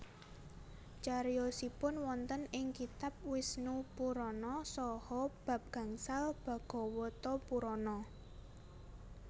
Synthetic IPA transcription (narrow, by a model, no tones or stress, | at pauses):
t͡ʃaɾjosipʊnwɔnt̪ənɪŋkit̪ap̚wɪsnupuɾɔnɔsɔhɔb̥ä̤p̚ɡ̥ä̤ŋsalb̥a̤ɡ̥ɔ̤wɔt̪ɔpuɾɔnɔ